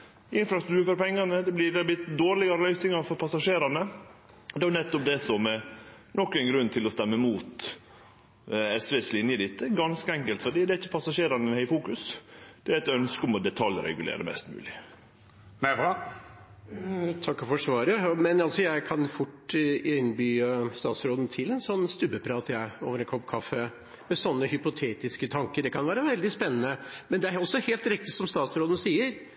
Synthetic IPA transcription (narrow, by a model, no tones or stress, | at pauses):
ɪnfɾɑst̪ɾʉ̥t̪ʰʉːɾfɔɾpʰɛŋːɑnəd̪ɛblɪd̪ɛblɪd̪oːɾɭɪɡɑɾəlœʏsɪŋɑɾfɔɾpʰɑsɑʂeːɾɑnə | d̪ɛænɛt̪ːɔp̚d̪ɛsɔmɛ | nɔkːæɪnɡɾʉnːt̪ʰɪlɔst̪ɛmːəmuːt̪ | ɛsʋeːslɪnjəd̪ɪt̪ʰːəɡɑnskəɛŋkəlt̪fɔɖ̪iːd̪ɛæɾɪçːəpʰɑsɑʂeːɾɑnəɛnhæɪfuːkʉsd̪̥ɛæɾɛt̪œnskəɔmɔd̪ɛt̪ʰɑljɾɛ̰ɡʉlḛːɾə̰mɛ̰st̪mʉ̰ːlɪ | t̪ʰɑkːɔfɔʂʋɑːɾəmɛnɑlsɔjæɪkʰɑnfʊʈːɪnbyːəst̪ɑːt̪sɾoːd̪n̩t̪ʰɪlɛnsɔnːst̪ʉbəpʰɾɑːt̪ʰjæɪo̰ːʋəɾɛnkʰɔpkʰɑfə | mɛsɔnːəhʏpʊt̪ʰeːt̪ɪskət̪ʰɑŋkəɖɛkʰɑnʋæːɾəʋɛld̪ɪspɛnːənəmɛnd̪ɛæɔsːɔheːlt̪ɾɪk̚t̪ɪsɔmst̪ɑːt̪sɾoːd̪ən̩siːəɾ